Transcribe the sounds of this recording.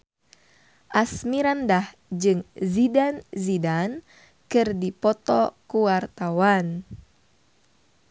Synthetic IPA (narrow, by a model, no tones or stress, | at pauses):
ʔasmiɾandah | d͡ʒɨŋzidanzidan | kɨrdipɔt̪ɔkuwart̪awan